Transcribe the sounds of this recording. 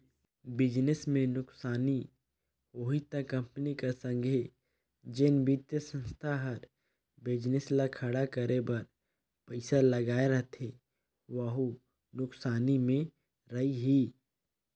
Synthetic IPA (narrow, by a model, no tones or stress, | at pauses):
bɪd͡ʒnɪsmẽnʊksaːni | oːɦit̪akɐ̃mpnikasə̃ŋɡʱe | d͡ʒenbiːt̪jəsə̃nst̪ʰaɦəɾ | bɪd͡ʒnɪslakʰəɽakəɾebɐɾ | pəɪsalɐɡaːeɾɐɦt̪ʰe | ʋəɦu | nʊksaːnimẽ | ɾɐiɦiː